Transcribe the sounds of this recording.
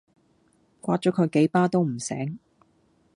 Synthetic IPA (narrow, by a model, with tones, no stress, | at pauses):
kʷaː˧t̚t͡ʃɔː˨˥kʰɵ˨˧jke˨˥jpaː˥t̪o˥wm̩˨˩sɛ̰ː˨˥ŋ